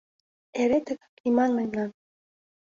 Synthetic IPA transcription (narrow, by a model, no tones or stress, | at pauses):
eɾet̪ɘ̆kkimɑnlemnɑn